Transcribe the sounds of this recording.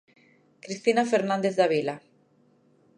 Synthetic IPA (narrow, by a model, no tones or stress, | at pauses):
kɾist̪inafeɾnãnd̪eθd̪aβila